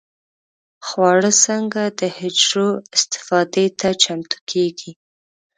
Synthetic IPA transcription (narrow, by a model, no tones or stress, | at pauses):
xwɑɽəsəŋɡad̪əhɪd͡ʒɾoɪst̪ɪ̥fɑd̪et̪ʰat͡ʃamt̪u̥kʰeɡi